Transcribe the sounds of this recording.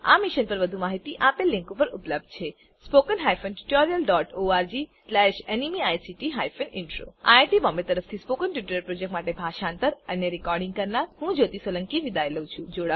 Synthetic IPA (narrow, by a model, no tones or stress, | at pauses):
a̰miʃənpəɾʋəd̪ʱumaɦit̪iʔapelːĩŋkupəɾupləb̚d̪̚ʱt͡ʃʰe | spokənɦajfʰənʈu̥ʈɔɾijəlɖɔʈoaɾd͡ʒislɛʃenimiajsiʈiɦajfənɪnʈɾo̰aʈibɔmbet̪əɾəft̪ʰispokənʈuʈuɾəɾpɾod͡ʒek̚ʈmaʈebʱaʃaːnt̪əɾəneɾikɔɾɖĩŋɡkəɾnaɾhũd͡ʒot̪isoləŋkiʋid̪aeləwt͡ʃʰũd͡ʒoɽa